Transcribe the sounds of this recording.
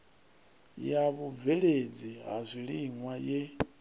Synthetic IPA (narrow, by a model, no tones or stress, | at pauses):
jaβuvɛɺed͡ziɦa̰zʷiɺiŋwajɛ